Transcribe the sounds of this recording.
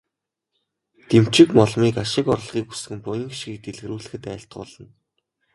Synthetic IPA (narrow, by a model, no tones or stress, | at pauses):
t̪em̥t͡ɕɪ̆kmɔɮmiːkaʃɪ̆kɔr̆ɮʁiːkus̆xɘ̆mpɔjɪ̆ŋkʃɡiːk̚t̪eɮɣɘ̆ɾuːɮɘ̆xɘ̆t̪æːɬt̪̚ɢʊ̰ːɮə̆n